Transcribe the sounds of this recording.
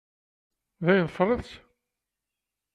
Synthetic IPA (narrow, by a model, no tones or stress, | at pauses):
ðæjnfrˤːəðs